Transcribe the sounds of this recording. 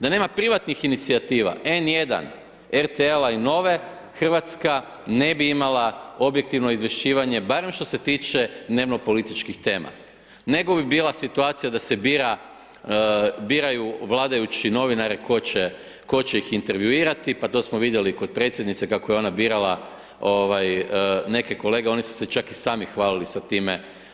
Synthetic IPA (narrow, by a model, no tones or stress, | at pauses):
d̪ane̞ːmapɾiʋat̪nixinit̪siat̪iːʋa̰e̞nje̞d̪a̰n | eɾt̪eelaino̞ʋe̞ | xr̩ʋat̪ska | ne̞biimalao̞bjek̚t̪iʋno̞izʋje̞ʃt͡ʃiːʋaɲe̞baːɾe̞mʃt̪o̞se̞t̪iːt͡ʃe̞d̪ne̞ʋno̞po̞lit̪it͡ʃkixt̪e̞ːma̰ | ne̞ɡo̞bibiːlasit̪uaːt̪sijad̪ase̞biɾa | biːɾajuʋlˠaːd̪ajut͡ɕino̞ʋinaɾeko̞t͡ɕe | ko̞t͡ɕe̞ixint̪e̞ɾʋjuiːɾat̪ipat̪o̞ːsmoʋid̪je̞liko̞d̪̚pɾet̪sʲjed̪nit̪se̞kakojeo̞nabiːɾala | oʋajne̞ke̞ko̞le̞ɡeo̞nisu̥se̞t͡ʃakisaːmixʋaːlilisat̪iːme